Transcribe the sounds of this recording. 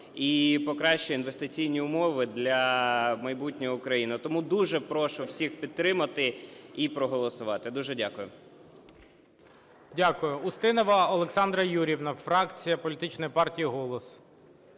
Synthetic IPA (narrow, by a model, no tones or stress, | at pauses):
ipɔkɾɑʃt͡ʃɔinʋest̪ɪt͡sʲijnʲiʊmɔʋɪd̪lʲɐmɐjbutʲnʲɔjɔʊkɾɐjinɪt̪ɔmud̪uʒɛpɾɔʃʊwsʲixpʲid̪̚t̪ːɾɪmɐt̪ɪipɾɔɦɔlˠɔsʊʋɑt̪ɪd̪uʒɛdʲakʊjʊ | dʲakʊjʊːst̪ɪnɔʋɐɔlˠeksɑnd̪ɾɐjuɾʲiwnɐfɾɑkt͡sʲijɐpɔlʲit̪ɪt͡ʃnɔjpɑrtʲijiɦɔlˠɔs